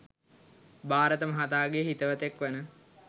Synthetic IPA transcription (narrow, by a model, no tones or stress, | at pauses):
baːɾət̪əməɦat̪aːɡeɦit̪əʋət̪ekʋənə